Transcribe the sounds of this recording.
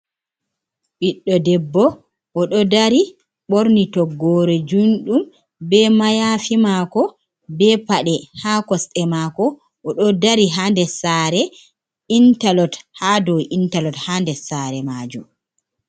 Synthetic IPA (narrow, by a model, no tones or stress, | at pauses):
ɓiɗːɔdɛbːɔ | ʔɔɗɔdaɾi | ɓoɾnitɔɡːɔːɾɛd͡ʒunɗum | bɛmajaːfimakɔ | bɛpaɗɛhakɔsɗɛmaːkɔ | ʔɔɗɔdaɾiɦandɛsaɾɛ | intalɔthadɔwintalɔthandɛsaɾɛmaːd͡ʒum